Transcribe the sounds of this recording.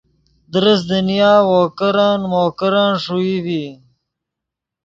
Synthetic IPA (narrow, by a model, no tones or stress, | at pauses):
d̪ɾəsd̪ənijaːwoːkəɾaːnmoːkəɾaːnʂuiwi